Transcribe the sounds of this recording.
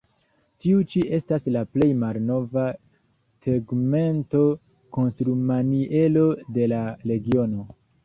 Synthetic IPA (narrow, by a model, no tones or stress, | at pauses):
tiut͡ʃiʔe̞staslaple̞jmalno̞va | seɡme̞nto̞ | ko̞nstɾumaniʔe̞lo̞de̞laɾe̞ɡio̞no̞